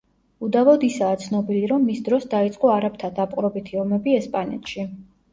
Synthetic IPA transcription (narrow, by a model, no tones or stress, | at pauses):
ud̪avɔd̪isaːt̪sʰnɔbiliɾɔmːisd̪ɾɔsd̪ait̪sʼqʼɔaɾap̚t̪ʰad̪apʼqʼɾɔbit̪ʰiɔmɛbiɛspʼanɛ̰t̪ʰʃi